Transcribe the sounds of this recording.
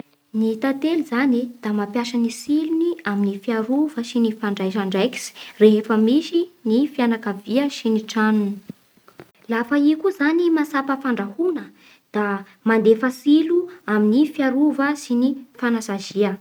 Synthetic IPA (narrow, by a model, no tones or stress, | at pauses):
nit̪at̪elizanid̪̥amapjaʃənisiluniaminifiaɾuvəsinifaɳɖ͡ʐajʃaɳɖ͡ʐajki̥si̥reɦefəmisinifianakəviəsiniʈ͡ʂanuni̥ | lafaikuzanimasapəfaɳɖ͡ʐahunə | d̪̥a | mand̪efasiluaminifiaɾuvəsinifanasaziə